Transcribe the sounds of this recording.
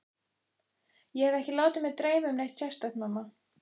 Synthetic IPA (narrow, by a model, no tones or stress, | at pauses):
jɛhɛvɛhcɪlaːwt̪ɪmɛt̪ɾeːjmʏmnejht̪ɕɛ̥st̪aktnmamːa